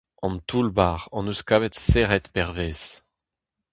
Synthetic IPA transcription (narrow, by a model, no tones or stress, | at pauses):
ɑ̃nt̪ulbaːʁɑ̃nuskaːvɛt̪seʁɛt̪pɛʁveːz̥